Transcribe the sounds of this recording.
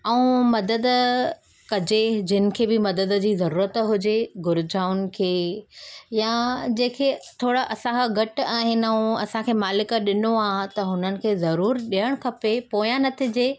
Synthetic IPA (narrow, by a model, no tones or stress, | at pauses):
ɛũmɐd̪əd̪ | kɐd͡ʑed͡ʑɪnɪ̆kʰeːbɪmɐd̪əd̪̆d͡ʑiːzɐɾuːɾət̪ɦʊd͡ʑeɡʊɾɪd͡ʑʱaːʊnɪ̆kʰeː | jãd͡ʑẽːkʰet̪ʰoːɽaʔɐsãkʰaɡʱɐʈaːɦɪnũɐsãkʰeːmaːlɪkəɗɪnoaːt̪ɐɦʊnənɪ̆kʰeːzɐɾuːɾɗiɦəɽ̃kʰɐpepoːjãnɐt̪ʰid͡ʑeː